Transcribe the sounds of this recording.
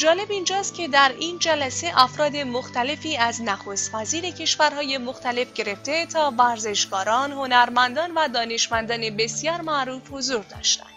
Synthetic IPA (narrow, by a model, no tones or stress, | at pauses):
d͡ʒɒːle̞bind͡ʒɒːst̪̚cʲʰe̞d̪æɾiːnd͡ʒælæse̞ʔæfɾɒːd̪e̞moxt̪æle̞fiːæznæxoːst̪væziːɾe̞cʰe̞ʃvæɾhɒːje̞moxt̪æle̞fɟe̞ɾe̞ft̪e̞t̪ʰɒːvæɾze̞ʃɡɒːɾɒːnho̞næɾmænd̪ɒːnvæd̪ɒːne̞ʃmænd̪ɒːne̞be̞sjɒːɾmæɾuːfho̞zuɾd̪ɒ̰ːʃt̪æ̰nd̪̥